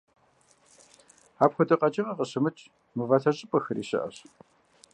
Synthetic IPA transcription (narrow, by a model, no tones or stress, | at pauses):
aːpxʷʊtʼɐqʼɐt͡ʃʼɪʁɐqəɕɨmɨt͡ʃʼ | mɨvaːtʰɐɕʼɪpʼɐxɨrḭːɕɪ̰ʔɐ̰ɕ